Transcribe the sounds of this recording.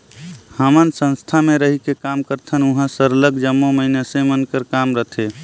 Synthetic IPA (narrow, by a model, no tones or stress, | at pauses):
həmənsə̃nst̪ʰameɾəɦikekamkəɾt̪ʰənuɦə̃səɾləɡd͡ʒəmːoməinesẽmənkəɾkamɾət̪ʰe